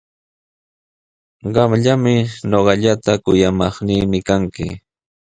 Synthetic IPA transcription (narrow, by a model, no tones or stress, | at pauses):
ɢɑmʎamɪɲoɢɑʎat̪akʊjamɑχniːmɪkaŋkɪ̰